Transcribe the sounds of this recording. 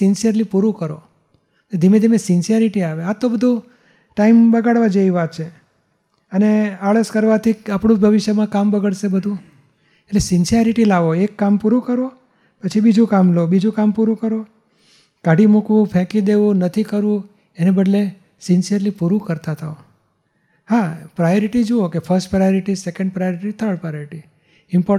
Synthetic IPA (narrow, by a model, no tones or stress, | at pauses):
insijəɾlipuɾũkəɾo̰ | ed̪ʱimed̪ʱimesɪnsijəɾiʈiaʋeat̪ːobəd̪ʱũ | ʈaimbəɡaɽʋad͡ʒeiʋat̪̚t͡ʃʰe | əneaɭəskəɾʋat̪ʰiapɳ̃ũbʱəʋɪʃjəmãkambəɡəɭʃebəd̪ʱũ | eʈlesɪnsijəɾiʈilaʋoekːampuɾukəɾo | pət͡ʃʰibid͡ʒũkamlobid͡ʒũkampuɾũkəɾo | kaɽʱimukʋũpʰɛ̃kid̪eʋũnət̪ʰikəɾʋũ | enebəɖle | sɪnsijəɾlipuɾũkəɾt̪at̪ʰao | hapɾajoɾiʈid͡ʒookefʰəɾsʈpɾajoɾiʈisekə̃ɳɖ̚pɾajoɾiʈit̪ʰəɭpajoɾiʈi | ɪmpɔ